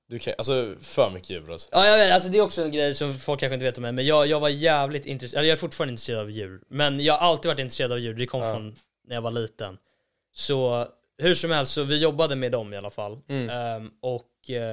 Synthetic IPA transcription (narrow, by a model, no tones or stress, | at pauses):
d̪̥ɵkʰʔa̰ls̬ɔfœɾmʏkːəjʉ̟̰ːɾa̰sɔ̥ʔɑːjavet̪als̬ɔd̪ɛæɾɔksɔɛnɡɾɛjsɔmfɔlkʰːanɧ̬əɪnveːt̪ɔmːɛjmɛnjɑːjɑːɡvaɾjæːvlɪt̪ɪ̰nt̪ɾɛsʔɛlːɛjaæɾfʊʈːfɑːɾanɪnɾseːɾad̪avjʉ̟ːlmɛnjɑːɡhaɾʔalt̪ɪid̪vaʈ̬ːɪnɾseːɾad̪avjʉːld̪ɛkʰɔmːfɾɔnː | æɾjavaɭiːt̪ə̰n | sɔ | hʉ̟ʂɔmhɛlst̪sɔvɪjɔbːad̪əmeːd̪ɔmɪalafa̰lː | ɔk